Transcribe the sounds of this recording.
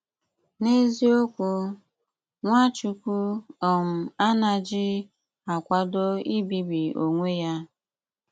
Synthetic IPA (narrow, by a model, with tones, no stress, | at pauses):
ne˦zi˦o˦kʷu˦ | ŋʷa˦t͡ʃu˦kʷu˦ɔ˨m̩˨a˦na˨d͡ʒi˦ | a˨kʷa˦do˦i˦bi˦bi˨o˨ŋʷe˦ja˦